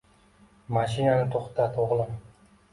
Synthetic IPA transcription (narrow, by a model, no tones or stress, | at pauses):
mɑʃinanɪt̪ʰoχt̪ɑt̪ʰoʁlˠəm